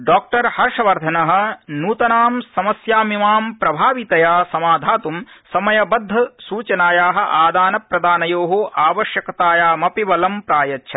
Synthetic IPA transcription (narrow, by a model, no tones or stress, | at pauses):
ɖaːk̚ʈɐɾhɐɾʂɐʋɐɾd̪ʱɐnɐɦɐ̆nuːt̪ɐnaːmsɐmɐsjaːmimaːmpɾɐbʱaːʋit̪ɐjaːsɐmaːd̪ʱaːt̪umsɐmɐjɐbɐd̪ʱːɐsuːt͡ʃɐnaːjaːɦɐ̆ʔaːd̪aːnɐpɾɐd̪aːnɐjoːɦoʔaːʋɐʃjɐkɐt̪aːjaːmɐpiʋɐlɐmpɾaːjɐtːʃʰɐ